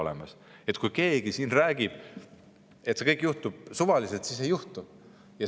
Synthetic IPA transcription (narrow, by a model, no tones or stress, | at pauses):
olḛmɑs | e̞t̪kujke̞ːɡ̥isinræːɡ̥ib̥ | et̪ːse̞kɤjkːˑjuht̪ub̥suvɑliselt̪sisejuht̪u̥ | jɑ